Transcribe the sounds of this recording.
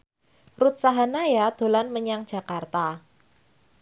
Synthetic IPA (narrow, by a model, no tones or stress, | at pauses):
rut̪̚saɦanajad̪̥o̤lanməɲaŋdd͡ʒ̥a̤kart̪a